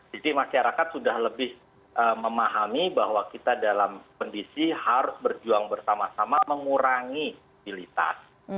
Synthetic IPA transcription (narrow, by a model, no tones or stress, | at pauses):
d͡ʒadimaʃaɾakat̪̚sudahləbɪh | ʔəməmaɦamibahwakit̪adalamkɔndisihaɾʊsbərd͡ʒuaŋbərsamasamaməŋuɾaŋi | bilit̪a̰s